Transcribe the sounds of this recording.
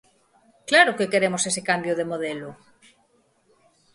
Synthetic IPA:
klaɾokekeɾemosesekambjoð̞emoð̞elo

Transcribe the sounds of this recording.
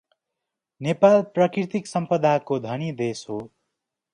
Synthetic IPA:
nepalprʌkirt̪iksʌmpʌd̪ʱakod̪ʱʌnid̪esɦo

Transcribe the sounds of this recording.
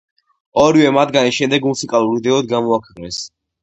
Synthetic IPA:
ɔɾivɛmat̪ʰɡaniʃɛmd̪ɛɡmusikʼalˠuɾid̪ɛɔd̪̚ɡamɔakʰwɛqʼnɛs

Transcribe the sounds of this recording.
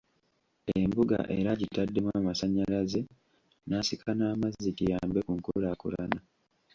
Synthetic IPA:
embuɡa̰ʔe̞ɾaɟitadːe̞mwamasaɲːalaze̞ | naːsikʰanaːmazitijaːmbekuŋkulakulana

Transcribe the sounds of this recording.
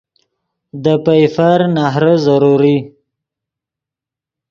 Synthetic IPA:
d̪əpajfaɾnaɦɾəzaɾuɾi

